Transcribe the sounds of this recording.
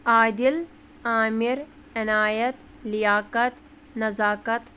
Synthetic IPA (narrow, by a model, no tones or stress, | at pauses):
aːd̪il | aːmiɾ | ɐnaːjɐt̪ | lijaːkɐt̪ | nɐzaːkɐt̪